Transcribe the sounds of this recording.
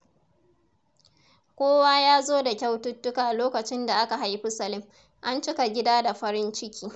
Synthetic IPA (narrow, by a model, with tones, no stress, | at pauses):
kʷoː˦waː˦jaː˦zoː˦da˨kʲa˦wtʊ˦tːʊ˦kaː˨ʔloː˦kɐ˨t͡ʃɪ˦nda˨ʔa˦ka˨ɦa˦jɸʊ˦sɐ˨lɪ˦m | ʔa˦nt͡ʃɪ˦ka˨ɡʲɪ˦daː˦da˨ɸɐ˦ɾɪ˦nt͡ʃɪ˦kʲʰiː˦